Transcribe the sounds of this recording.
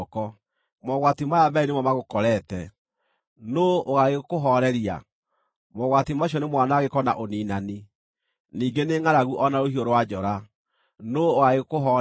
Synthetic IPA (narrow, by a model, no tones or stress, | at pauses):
kɔ | mɔɣwatimajabainemɔmaɣokɔɾɛtɛ | nooɣaɣekoɦɔɾɛɾia̰ | mɔɣwatimaɕ̬iɔnemwanaɣekɔna̰ʔoniːnani | niːɡeneŋaɾaɣuʔɔnaɾohioɾowad͡ʒɔɾa | nooɣaɣeɣkoɦɔ